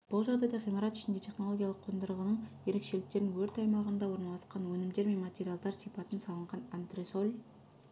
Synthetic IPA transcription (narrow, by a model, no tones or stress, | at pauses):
b̥ʊlˠʒɑʁd̪ɑjd̪ɑqʰijməɾɑt̪ʏ̥ʃɪnd̪e̞t̪ʰe̞χno̞lˠo̞ɡʲijɑlˠəqʰːojnd̪əɾəʁənəɴje̞ɾe̞kʃe̞lɪk̚t̪e̞ɾnɪŋwɵɾt̪ɑjmɑʁənd̪ɑwo̞ɾnɑlˠɑsqɑnwɵnɪmd̪e̞ɾme̞nmat̪ʲe̞ɾijalˠd̪ɑɾsipɑt̪ənsɑlˠəɴʁɑnant̪risolʲ